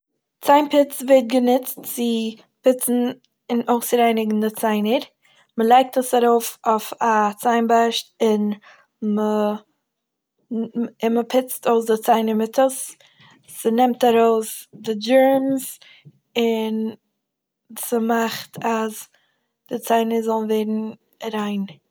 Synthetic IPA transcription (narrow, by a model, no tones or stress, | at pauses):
t͡saɪnpɪt͡sveɪt̚ɡənɪt͡stt͡sɪ | pɪt͡sn̩ | ɪnoʊsɾaɪnɪɡn̩dɪt͡saɪnəɾ | məlˠaɪk̚təsaɾoʊfoʊfat͡saɪnbaʃtɪn | mə | ɪnməpʰɪt͡stoʊsdɪt͡saɪnəɾmɪtʰəs | sənɛmtaɾoʊsdɪd͡ʒɛɹms | ɪn | səmaχtʰaz | d̥ɪt͡saɪnəɾzɔlˠnveɪɾn̩ | aɾaɪn